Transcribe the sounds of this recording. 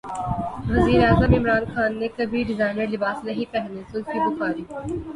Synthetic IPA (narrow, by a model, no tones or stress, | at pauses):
ʋɐziːɾeaːzəmɪmɾaːnxaːnːekɐbʱiɖɪzaːɪnəɾlɪbaːsnɐɦĩpɛɦnesʊlkibʊxaːɾiː